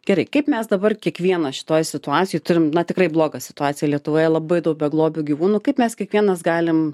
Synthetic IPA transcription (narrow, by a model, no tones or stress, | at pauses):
ɡʲɛɾɐɪkɐɪpmʲɛsd̪ɐbɐrkʲiɛkʋʲiɛnɐʃʲɪ̥t̪oːjsʲɪt̪ʊɑːtt͡sʲɪjoɪt̪ʊɾʲɪmnɐt̪ʲɪkɾɐɪblˠoːɡɐsʲɪ̥t̪ʊɑːt͡ssʲɪjɛlʲiɛt̪ʊʋoːjɛlˠɐbɐɪd̪ɐʊk̚bʲɛɡlˠoːbʲuːɡʲiʋuːnuːkɐɪpmʲɛskʲiɛkʋʲiɛnɐsɡɑːlʲɪm